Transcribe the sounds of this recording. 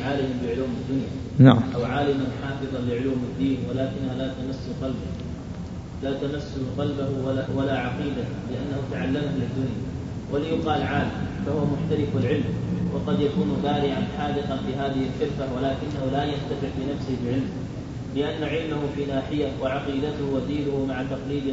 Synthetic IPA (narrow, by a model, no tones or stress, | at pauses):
ʕaːlɪmabɪʕʊluːmɪd̪ːʊnja | ʔawʕaːlɪmanħɑːfɨðˤɑnlɪʕʊluːmɪd̪ːiːnwalaːkɪnːhalaːt̪amasːʊqɑlba | laːt̪amasːʊlqɑlbahwalaʕɑqiːd̪a | lɪʔanːahʊt̪aʕalːamahlɪd̪ːʊnja | wʔalɪjʊqɑːlʕaːlɪmfahʊwamʊħt̪aɾɪfalʕɪlmwʔɑ̰qɑd̪jakuːnbaːɾɪʕanħaːd̪ɪqɑnfiɦaːðɪhɪlkɪfːawalaːkɪnːahʊlajant̪afɪʕfinafsɪhɪbɪʕɪlm | bɪʔanːaʕɪlmahʊfiːnaːħɪjawaʕɑqiːd̪at̪ʊhwad̪iːnʊhʊmaʕat̪ɑqliːd̪